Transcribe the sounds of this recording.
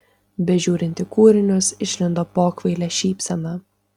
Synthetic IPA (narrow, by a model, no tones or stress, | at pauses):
bʲɛʒʲuːɾʲɪnʲt̪ʲɪkuːɾʲɪnʲʊsɪʃʲlʲɪnd̪oːpoːkʋʲɐɪlʲɛʃʲiːpʲsʲɛnɑ